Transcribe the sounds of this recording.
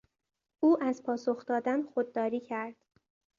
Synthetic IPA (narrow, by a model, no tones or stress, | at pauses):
ʔuːʔæzpʰɒːsoxd̪ɒːd̪ænxod̪ːɒːɾiːcʰæɾd̪̥